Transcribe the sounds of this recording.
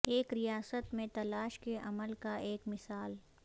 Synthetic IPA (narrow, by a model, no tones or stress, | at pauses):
eːkɾijaːsət̪mẽt̪ɐlaːʃkeʔɐməlkaʔeːkmɪsaːl